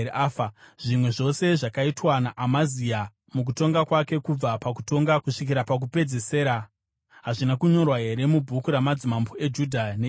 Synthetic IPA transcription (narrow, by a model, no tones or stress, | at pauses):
aːfaʐ̥imwe̞ʐo̞se̞ʐakaitwanaʔamazija | muk̬uto̞ŋɡakwake̞kub͡vapaku̥to̞ŋɡakuʂikiɾapak̬upe̞d͡ze̞se̞ːɾa | ɦaʐinakuɲo̞rwaɦe̞ɾe̞mubʱukuɾamad͡zimamboe̞d͡ʒudʱane